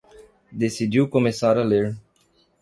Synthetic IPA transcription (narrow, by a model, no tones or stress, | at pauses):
d̪esid̪iwkomesaɾaleɾ